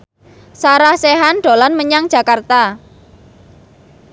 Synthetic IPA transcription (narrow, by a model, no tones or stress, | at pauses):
saɾahseɦanɖ̥o̤lanməɲaŋ̥d͡ʒ̥ä̤kart̪a